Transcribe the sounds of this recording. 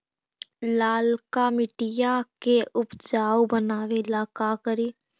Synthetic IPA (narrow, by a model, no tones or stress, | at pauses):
laːlkamɪʈijakeʔʊpd͡ʒaːwbənaːʋelaːkakəɾiː